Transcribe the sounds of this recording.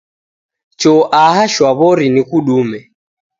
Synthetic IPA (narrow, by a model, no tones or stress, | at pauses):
t͡ʃɔʔaɦaʃwaβɔɾinikuɗumɛ